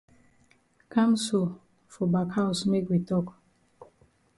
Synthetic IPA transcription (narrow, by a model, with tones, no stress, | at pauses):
kã˦mso˨ | fɔ˨ba˨kha˦ʊsme˦kwi˨tɔ˦k